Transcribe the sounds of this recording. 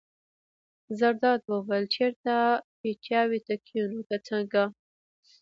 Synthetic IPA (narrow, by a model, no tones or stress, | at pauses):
zaɾd̪ɑd̪̚wəwəlt͡ʃeɾt̪apet͡ʃjɑwit̪akʰjunot̪at͡səŋɡa